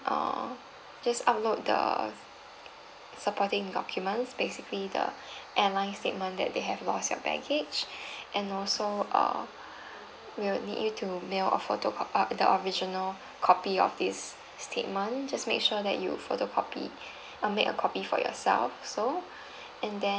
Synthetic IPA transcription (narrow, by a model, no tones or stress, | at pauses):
ʔʌ̰ | d͡ʒasa̰ʊp̚lot̚də̰ | səpʰɔtɪ̃ŋdɔkʰjumə̃nsbesiklidə̰ʔɛ̃nlãɪ̃nstet̚mə̃ndɛ̰t̚deɦɛvlɔstjɔ̰bɛ̰ɡɪd͡ʒʔɛ̃nɔlsoʔʌ̰ | wilnḭdjutʰumelə̰fotodə̰ʔəɹid͡ʒinəl | kʰɔpiɔ̰fdisː | tʰet̚mə̃nd͡ʒasmḛkʃudɛ̰ʔjṵfotokʰɔpḭ | ʔəmekə̰kʰɔpifɔ̰jɔ̰sɛ̰lfso | ɛ̃ndɛ̃